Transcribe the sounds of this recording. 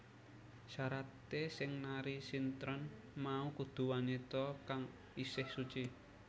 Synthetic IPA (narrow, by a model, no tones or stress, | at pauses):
ʃaɾat̪esɪŋnaɾisint̪ɾɔn | maukud̪̥ṳwanet̪ɔkaŋ | isɪhsut͡ʃi